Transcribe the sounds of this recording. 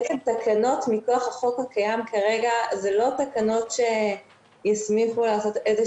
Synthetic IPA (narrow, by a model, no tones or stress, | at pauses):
et͡semtakʰano̞tmiko̞aχaχo̞khakajamkaʁe̞ɡazelo̞takano̞tʃe | jasmiχulaːso̞teze